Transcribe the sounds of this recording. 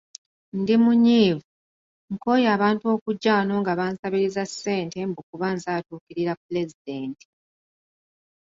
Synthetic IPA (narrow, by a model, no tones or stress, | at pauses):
ndimuɲiːvu | ŋko̞ːjaːβaːntuo̞ːkuɟːaːno̞ːŋɡaβaːnsaβiɾizasːe̞ːnte̞mbukuβaːnzaːtuːkiɾiɾapːule̞zide̞ːnti̥